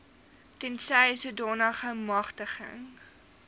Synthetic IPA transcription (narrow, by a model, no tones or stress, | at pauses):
tɛnsɛjsudɔːnɑːχəmɐχtəχə̰ŋ